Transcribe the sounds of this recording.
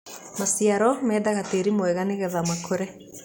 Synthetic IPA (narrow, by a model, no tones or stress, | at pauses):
masiaɾɔmɛːdaɣateɾimoɛɣaneɣɛðamakʰoɾɛ